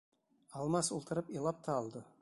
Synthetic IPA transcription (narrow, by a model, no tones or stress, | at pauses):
ɑlˠmɑsulˠt̪ʰəɾəpijlˠɑp̚t̪ʰɑːlˠd̪ə